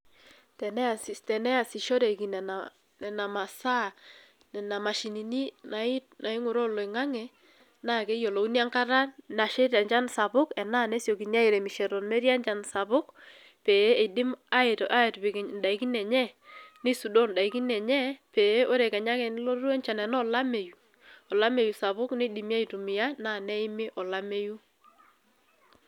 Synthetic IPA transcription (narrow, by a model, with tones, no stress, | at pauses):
tɛ˨nɛ˦˨stɛ˨nɛ˦a˨si˨ʃɔ˦ɾe˨ki˨nɛ˨na˨ | nɛ˨na˨ma˨sa˦˨ | nɛ˨na˨ma˨ʃi˨ni˨ni˦na˨ɪ˦t̚na˨ɪ˦ŋʊ˨ɾɔ˦lɔ˨ɪ˨ŋa˦ŋɛ˨ | na˦˨kɛ˦jo˨lo˨u˦n˦a˦ŋka˦ɾa˦na˨ʃe˦ta˨ɲd͡ʒa˦nsa˨bʊ˦kɛ˨na˦˨nɛ˦sjo˨ki˨ɲa˦i˨ɾɛ˨mi˨ʃɛ˨ɾɔ˨nmɛ˦ɾja˦nt͡ʃa˨nsa˨bʊ˦k | pe˨˦e˨dɪ˦ma˦ɪ˨tɔ˨ʔa˦e˨tpɪ˨knda˨i˨˦ki˦nɛ˨ɲɛ˦nɪ˦su˨dɔ˦nda˨i˨ki˦nɛ˨ɲɛ˦pe˨˦ʔo˦ɾɛ˨kɛ˨ɲa˦ŋɛ˨n˦lo˦ɾu˦e˦nt͡ʃa˨nɛ˨nɔ˦la˦me˨ju˨ | ɔ˨la˦me˨ju˨sa˨βʊ˦kne˦di˨mja˦i˨tu˨mɪ˨ja˦na˦˨nɛ˦ɪ˦mɪ˦ʔɔ˨la˦me˦ju˦